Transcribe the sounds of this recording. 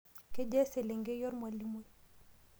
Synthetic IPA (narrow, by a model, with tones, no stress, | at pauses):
kɛ˦d͡ʒɛ˦sɛ˨lɛ˨ŋɡɛ˦jɔ˦ɾmwa˨li˦mɛ˦